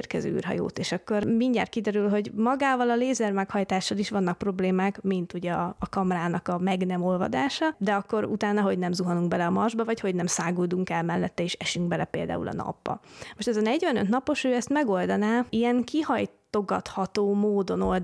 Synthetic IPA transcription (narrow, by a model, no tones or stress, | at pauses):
rkɛzø̰ːy̰ːrɦɒ̰jo̰ːt̪eːʃɒkːo̞rmiɲɟaːt̪̚kid̪ɛɾylɦo̞ɟmɒɡaːvɒlɒleːzɛrmɛkhɒjt̪aːʃːɒliʃʋɒnːɒk̚pro̞bleːmaːkmint̪uɟɛɒːkɒmɾaːnɒkɒmɛɡnɛmo̞lvɒ̰d̪aːʃɒd̪ɛɒkːo̞ɾṵt̪aːnːɒɦo̞ɟnɛmzuɦɒnuŋɡ̚bɛlɛɒmɒrʒbɒvɒcho̞ɟnɛmsaːɡoːd̪uŋkɛlmɛlːɛt̪ːɛeːʃɛʃyŋɡbɛlɛpeːld̪a̰ːṵlɒ̰nɒ̰bːɒ̰mo̞ʃt̪ɛzɒnɛɟvɛnøt̪nɒpo̞ʃøːɛst̪mɛɡo̞ld̪ɒnaːijɛŋkihɒjt̪o̞ɡɒt̪hɒt̪oːmoːd̪o̞no̞ld̪